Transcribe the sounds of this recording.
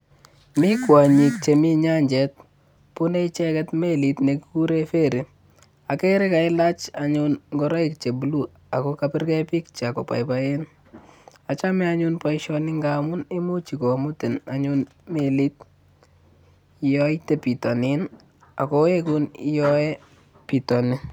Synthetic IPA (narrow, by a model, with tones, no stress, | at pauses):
mi˦kwa˨ɲi˨k̚t͡ʃe˨mi˦ɲa˦ɲd͡ʒɛ˨t̚ | pu˦ne˦it͡ʃɛ˦kɛtme˦li˨tne˨kiku˦ɾe˦fe˦ɾi˨ | a˨ke˦ɾɪ˦ka˨ɪ˦la˦t͡ʃaɲʊnŋɡɔɾɔ˦i˨k̚t͡ʃe˨bulu˦ | a˨kɔkapɪ˦rkɛpi˦k̚t͡ʃa˨kɔ˨pa̰˨jpa˦en | a˨t͡ʃa˦mi˦aɲʊnpa˦iʃɔ˧nɪ˦ŋɡamʊ˦ne˦mu˦t͡ʃi˨ko˨mʊ˦ti˨na˨ɲʊn | me˨li˦t̚ | jɔ˦ite˨pi˨tɔ˨nin | a̰˨kɔ˦e˦ku˦ni˦jɔ˦ɛ˦ | pi˨tɔ˨nɪ˦